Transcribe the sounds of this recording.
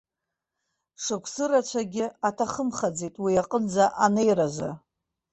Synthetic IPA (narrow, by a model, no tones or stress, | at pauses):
ʂɨkʷʰsɨrat͡ʃʷʰaɡʲɪatʰaχəmχad͡zetʼwiaqʼənd͡zaʔanejɾaza